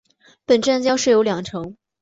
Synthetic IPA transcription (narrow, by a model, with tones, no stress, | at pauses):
pə˨˩nʈ͡ʂa˥˩nt͡ɕjɑ˥ʊʂɻ̩˥˩jo˧˥ljɑ˨˩ŋʈ͡ʂʰɤ˧˥˦ŋ